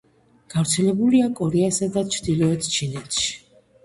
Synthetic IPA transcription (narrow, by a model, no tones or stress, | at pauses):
ɡ̥avɾt̪sʰɛlɛbuliakʼɔɾɛasad̪at͡ʃʰɾd̪ilɔɛt̪ʰt͡ʃʰinɛt̪ʰʃi̥